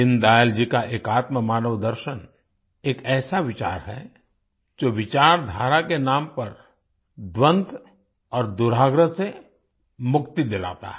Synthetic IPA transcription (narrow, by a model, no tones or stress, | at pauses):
ɪ̃nd̪aːjəld͡ʒikaʔeːkaːt̪məmaːnəʋd̪əɾʃən | eːkɛːsaʋɪt͡ʃa̰ːɾɦɛ̰ | d͡ʒoːʋɪt͡ʃaːɾd̪ʱaːɾakenãːmpɐɾ | d̪ʋə̃nt̪ | ɔːɾd̪ʊɾaːɡɾəse | mʊkt̪id̪ɪla̰ːt̪a̰ɦɛ